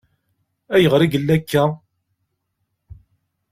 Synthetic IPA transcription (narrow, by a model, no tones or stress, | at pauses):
æjəʁɾiɡəlːækːæ